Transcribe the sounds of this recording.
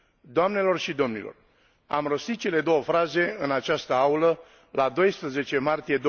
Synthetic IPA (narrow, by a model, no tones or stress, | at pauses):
d̪oamne̞lo̞rʃid̪o̞mnilo̞̰r | a̰mro̞st̪it̪̚t͡ʃe̞le̞d̪o̞wəfɾaze̞ɨnat͡ʃast̪əaulə | lad̪o̞jspɾəze̞t͡ʃe̞mart̪ije̞d̪o